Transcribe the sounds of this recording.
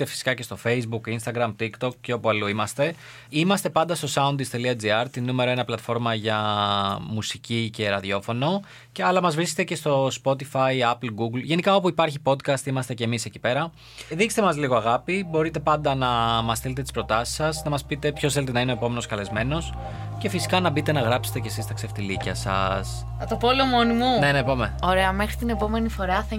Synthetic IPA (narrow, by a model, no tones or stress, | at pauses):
t̪efi̥si̥kɐce̞st̪o̞fe̞jzbukinst̪ɐɡɾɐmt̪ikt̪o̞k̚ceo̞puɐluimɐst̪e̞ | imɐst̪e̞pɐnd̪ɐst̪o̞sɐunt̪ist̪e̞liɐd͡ziɐɾt̪inume̞ɾo̞e̞nɐplɐt̪fo̞ɾmɐʝɐ | musicice̞ɾɐðio̞fo̞no̞ | cɐlɐmɐzvɾiset̪e̞ce̞st̪o̞spo̞t̪ifɐiɐplɡuɡlʝe̞nikɐo̞puipɐɾçipo̞d̪kɐst̪imɐst̪e̞ce̞miseci̥pe̞ɾɐ | ðikse̥t̪emɐzliɣo̞ɐɣɐpibo̞ɾit̪e̞pɐnd̪ɐnɐmɐst̪ile̞t̪et̪i̥spɾo̞t̪ɐsi̥sɐsnɐmɐspit̪e̞pçosθe̞let̪e̞nɐineoepo̞me̞no̞skɐle̞zme̞no̞s | ce̞fisi̥kɐnɐbit̪e̞nɐɣɾɐpset̪e̞cesist̪ɐkse̞ft̪ilicɐsɐ̰s | t̪opoleomo̞nimunenepomeo̞ɾe̞ɐme̞xɾit̪ine̞po̞me̞nifo̞ɾɐθ